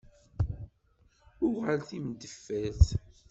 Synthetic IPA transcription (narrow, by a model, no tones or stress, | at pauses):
ʊʁalθimd̪əfːæθ